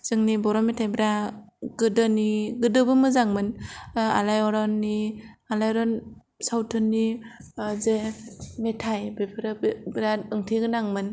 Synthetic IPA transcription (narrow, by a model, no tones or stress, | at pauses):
z̥ɯŋnibɔɾɔmetʰajbɾa | ɡɯdɔniɡɯdɯbɯmɯzaŋmɯna̰lajɔɾɔnːialajɔɾɔn | sawtʰɯnːi | zemetʰajbepʰɾbɾaɯŋtʰiɡɯnaŋmɯn